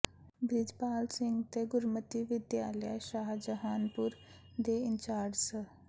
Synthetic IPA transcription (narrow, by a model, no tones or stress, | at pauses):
bʱid͡ʒpaːlsiŋɡt̪eɡuɾmət̪iʋɪd̪jaːljə̰jʃaːɦd͡ʒəɦaːnpuɾ | d̪eint͡ʃaːɾɖsə